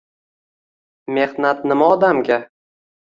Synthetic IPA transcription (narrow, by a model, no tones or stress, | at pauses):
me̞hnat̪̚nɪmaɒd̪amɡʲa